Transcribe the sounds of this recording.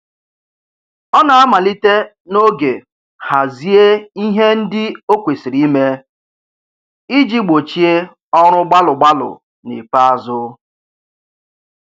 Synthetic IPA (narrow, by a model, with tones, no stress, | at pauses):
ɔ˦na˨a˦ma˨li˦te˦ | no˦ɡe˨ | ha˨zi˦e˦i˦ɦe˦n̩˦dɪ˦o˦kʷe˨si˨ɾi˦me˦ | i˦d͡ʒi˦ɡ͡bo˨t͡ʃi˦e˦ | ɔ˦ɾ̃ʊ˦ɡ͡ba˦lʊ˨ɡ͡ba˦lʊ̰˨ | nḭ˨fa˦a˦zʊ˦